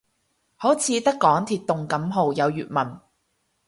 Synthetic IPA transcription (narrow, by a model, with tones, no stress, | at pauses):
ho˨˥wt͡sʰiː˨˧t̪ɐ˥kːɔː˨˥ŋt̪ʰiː˨t̚t̪ːʊ˨ŋkɐ˨˥mɦo˨wjɐ˨˧wjyː˨t̚mɐ˨˩n